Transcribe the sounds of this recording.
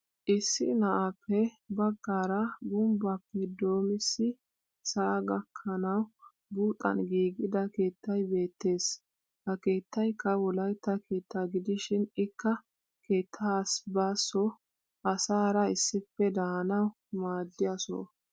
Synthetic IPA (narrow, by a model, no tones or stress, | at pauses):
ʔɪsːɪnɐʔapʰːɛ | bɐɡːaːɾɐɡʊmbɐpːɛd̪o̞ːmɪsːɪ | sɐʔːɡɐkʰːɐnɐw | buːt̪ʼɐ̰nɡiːɡɪd̪ɐke̞ːt̪ʰːɐjbe̞ːt̪ːe̞ːs | hɐke̞ːt̪ːɐjkːɐwɔlɐjt̪ːɐke̞ːt̪ʰːaɡɪd̪ɪʃɪnɪkːɐ | ke̞ːt̪ʰːaːsbaːsːɔ | ʔɐsaːɾɐɪsːɪpːɛd̪aːnɐw | maːd̪ːɪjɐsɔ̰